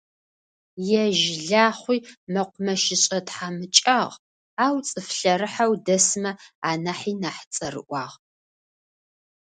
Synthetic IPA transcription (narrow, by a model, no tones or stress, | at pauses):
jɛʒɮaːχʷiːmɐqʷʊmɐʃɪɕʼɐtħaːmɨt͡ʃʼɐʁ | aːwt͡sʼɨfɬɐɾɨħawdɐsɨmɐaːnaħiːnaːħt͡sʼɐrɨ̰ʔʷɑːʁ